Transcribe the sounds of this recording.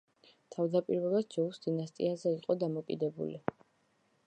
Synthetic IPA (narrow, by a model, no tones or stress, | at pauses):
t̪ʰavd̪apʼiɾvɛlasd͡ʒɔlusd̪inast̪ʼḭazɛiqʼɔd̪amɔkʼḭd̪ɛbṵli